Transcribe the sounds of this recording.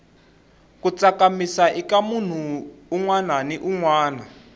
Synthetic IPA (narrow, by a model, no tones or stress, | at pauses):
kut͡sakamisaʔikamun̤uːŋwananiʔuŋwaːna